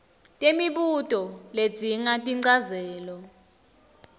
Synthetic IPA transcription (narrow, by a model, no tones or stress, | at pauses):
tʼemiɓutʼɔle̥d͡zʱiŋatʼiǀazɛːlɔ